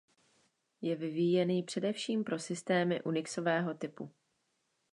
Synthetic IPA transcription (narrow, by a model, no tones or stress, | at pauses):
jɛvɪvijɛniːpr̝̥ɛdɛfʃiːmpɾo̞sɪst̪ɛːmɪʔunɪkso̞vɛːɦo̞t̪ɪpu